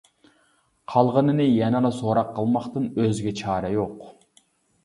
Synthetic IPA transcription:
qʰɑlˠʁənɨnɨjɛnɑnɑsoɾɑqʰːɑlˠmɑqt̪ɨnøzɡʲɛt͡ʃʰɑːɾɑjoq

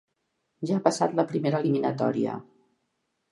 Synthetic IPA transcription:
ʒaːpəsa̰t̪ləpɾimeɾəːliminət̪ɔ̰ɾiə̰

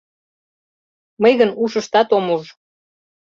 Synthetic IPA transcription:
məjɣənuʃəʃt̪ɑt̪omuʒ

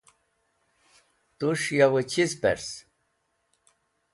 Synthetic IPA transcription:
t̪uʂjawet͡ɕʰizpḛɾs

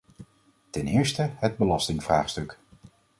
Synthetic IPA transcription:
tɛnɪːɹstəɦəd̚bəlɑstɪŋv̥ra̰ːχstɵk

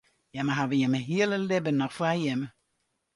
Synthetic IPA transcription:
jaməɦaʋəjɛməɦiələlɛbənːɔχfajɛmə

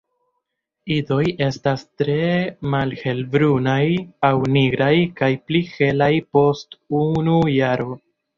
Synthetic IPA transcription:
ido̞je̞stastɾe̞malhe̞lbɾunajawniɡɾajkajplihe̞lajpo̞stunujaɾo̞

